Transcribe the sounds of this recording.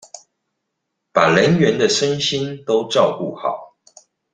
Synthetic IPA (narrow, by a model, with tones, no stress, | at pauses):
pa˨˩lə˨˦nɥɛ˨˦nd̪ə˧ʂə˥˦nɕi˥˦nt̪o˥˦ʊʈ͡ʂɑ˥˨ʊku˥˨xɑ̰˨˩˦ʊ